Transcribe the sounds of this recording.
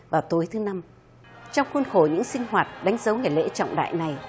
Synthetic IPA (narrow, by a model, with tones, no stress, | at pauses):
vaː˨˩wt̪o˨˦jt̪ʰɨ˨˦na˧m | t͡ɕɔ˧wŋ͡mxwə˧nxo˧˩ɲɨ̰˧˥ŋsï˧ŋ̟ɦwaː˨˩t̚ɗa˨˦jŋ̟zə˨˦wŋa˨˩jlḛ˧˥t͡ɕɔ̰˧˨wŋ͡mɗa̰ː˧˨jna˨˩j